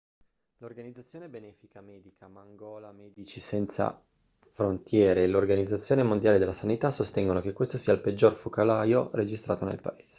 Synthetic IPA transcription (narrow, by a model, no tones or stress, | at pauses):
lorɡanid̪zːat̪sːjoːnebenɛːfikamɛːd̪ikʰamaŋɡɔːlamɛːd̪it͡ʃisɛnt̪sa̰ | fɾont̪jɛːɾeːlorɡanid̪zːat̪sːjoːnemond̪jaːled̪elasanit̪asost̪ɛŋɡonokekwest̪osiːailped͡ʒːorfokalaːjored͡ʒist̪ɾaːt̪onḛlpa̰eːz̥e̥